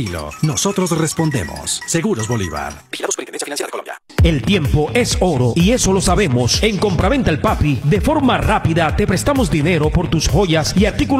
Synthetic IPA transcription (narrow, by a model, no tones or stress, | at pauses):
ilo̰nosot̪ɾos̬respo̞nd̪ḛmo̰sːe̞ɣuɾozβolḭβa̰ɾbiilamosienensjfinanseaklja̰ | e̞lt̪je̞mpo̞ʔe̞so̞ɾo̞ie̞so̞lo̞saβe̞mo̞se̞ŋko̞mpɾaβe̞nt̪aelpapiðefo̞ɾmarapiðat̪e̞pɾe̞st̪amo̞zd̪ine̞ɾo̞po̞ɾt̪usxo̞ʝasiaɾt̪iku